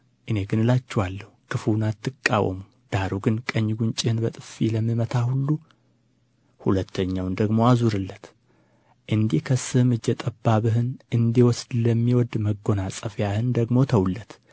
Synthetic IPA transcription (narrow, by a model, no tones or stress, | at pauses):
ʔɨne̞ɡɨnɨlat͡ʃːɛwalːəhukʰɨfuwnat̪ʰːɨkʼːa̰wə̰mu | d̪̥aɾuɡɨnkʼəɲːɡunt͡ʃʼɪhɨnbət̪ʼɨfːiləmːimət̪ʰahulːu | hulət̪ʰːəɲːawnd̪əɡmoazuɾɨlːət̪ | ʔɨnd̪ikʰəsɨhmɨd͡ʒːɛt̪ʼəbːaβɨɦɨnʔɨnd̪iwɔsd̪ləmːiwɔd̪məɡːo̞nasʼəfjahɨnd̪əɡmo̞t̪ʰəwlːət̪